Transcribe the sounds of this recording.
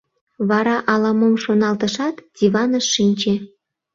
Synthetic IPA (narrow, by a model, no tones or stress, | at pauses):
βɑɾɑʔɑlɑmomʃonɑlt̪əʃɑt̪d̥ʲiβɑnəʃːinʲt͡ɕe